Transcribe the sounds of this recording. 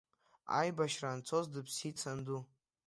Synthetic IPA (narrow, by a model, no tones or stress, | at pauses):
a̰jbaʃrant͡sʰozdɨpʰsit͡sʰandu